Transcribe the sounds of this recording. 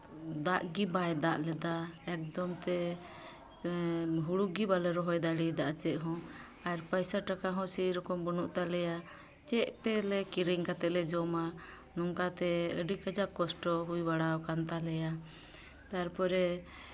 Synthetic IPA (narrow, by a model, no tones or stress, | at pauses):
d̪aʔɡibajd̪aʔlɛd̪aɛk̚d̪ɔmt̪ɛ | ɦuɽuɡibalɛɾɔɦɔjd̪aɽid̪aʔt͡ʃɛʔɦɔ̃ | aɾpəjsaʈakaɦɔ̃siɾɔkɔmbɔnuʔt̪alɛja | t͡ʃɛʔt̪ɛlɛkiɾiŋkat̪ɛʔlɛd͡ʒɔma | nɔŋkat̪ɛəɖikəd͡ʒaʔkːɔsʈɔɦujbaɽawkant̪alɛja | t̪aɾpɔɾɛ